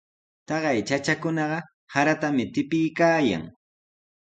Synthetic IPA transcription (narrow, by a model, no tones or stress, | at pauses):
t̪ɑɢɑjt͡ʃat͡ʃakʊnɑɢɑ | haɾat̪amɪt̪ɪpɪjkaːja̰ŋ